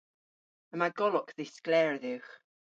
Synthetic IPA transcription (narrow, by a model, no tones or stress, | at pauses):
əmaɪɡɔlɔkðɪsɡ̥lɛːɹəðʉːχ